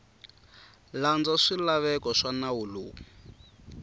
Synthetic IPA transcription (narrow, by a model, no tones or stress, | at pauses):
land͡zɔʂilaβɛkɔʂanawulṵː